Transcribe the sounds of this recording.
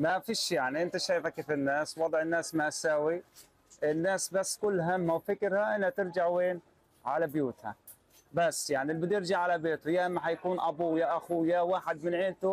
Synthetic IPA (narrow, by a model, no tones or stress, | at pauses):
mafiːʃjaʕniʔɪnt̪aʃaːjfakeːfɪnːaːswɑd̪ˤʕɪnːaːsmaʔasaːwi | ʔɪnːaːsbasːkʊlːɦamhawfɪkɾhaʔɪnhat̪ɪɾd͡ʒaʕweːn | ʕalabjuːt̪ha̰ | basːjaʕnilbɪd̪jɪɾd͡ʒaʕalabeːt̪ʊjaʔmːaħajakuːnʔabuːjaʔaxuːjawaːħɪd̪mɪnʕɪːlt̪ʊ